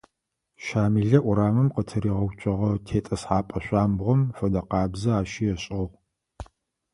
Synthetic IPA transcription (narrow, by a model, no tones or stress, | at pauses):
ʃaːmiɮɐʔʷʊɾaːmɨmqətʰɐɾiːʁɐwt͡ʃʷʼɐʁɐtʰeːtʼɐsħaːpʼɐɕʷʼaːmbʁʷɔmfɐdɐqɑːbzɐaːʃijɛɕʼɪʁʷ